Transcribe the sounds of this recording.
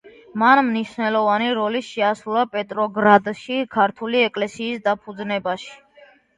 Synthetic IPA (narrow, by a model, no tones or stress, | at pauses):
manmniʃnɛlˠɔvaniɾɔliʃɛasɾulapʼɛt̪ʼɾɔɡɾad̪ʃikʰaɾt̪ʰuliɛkʼlɛsiːsd̪apʰud̪znɛbaʃi̥